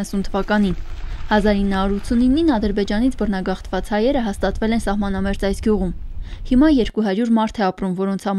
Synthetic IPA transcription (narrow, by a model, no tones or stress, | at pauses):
əsunt̪ʰəvɑkɑninhɑzɑɾinːəhɑuɾut̪ʰsʰuninːinɑd̪əɾbɛd͡ʒɑnit͡sʰbərnɑɡɑχt̪vɑt͡shɑjɛɾəɦɑst̪ɑt̪vɛlɛnsɑhmɑnɑmɛɾt͡sɑjsɡjuʁumhimɑjɛɾkuɦɑɾjuɾmɑɾt̪ʰɛɑpɾumvɔɾɔnt͡sʰhɑ